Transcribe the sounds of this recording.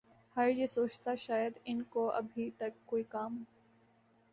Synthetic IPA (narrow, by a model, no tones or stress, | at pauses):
hɐɾjesoːt͡ʃt̪aʃaːjəd̪ɪnkoʔɐ̰bʱit̪ɐkːoːikaːmɦ